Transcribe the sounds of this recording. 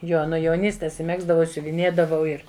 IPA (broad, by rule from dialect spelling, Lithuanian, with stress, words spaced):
ˈjoː nʊ jɛʊˈnʲiːsʲtʲeːs ɪ ˈmʲæːɡzdɐʋɐʊ ɪ sʲʊʋʲɪˈnʲeːdɐʋɐʊ ˈɪr